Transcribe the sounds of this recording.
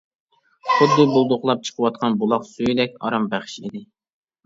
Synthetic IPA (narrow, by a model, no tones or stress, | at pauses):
χʊd̪ːɨbulˠd̪ʊχlˠɑp̚t͡ʃʰə̥qʰəwɑt̪̚qʰɑnbulˠɑqsujid̪ɛkʲɑ̰ɾɑmbæχɪ̥ʃḭd̪ɪ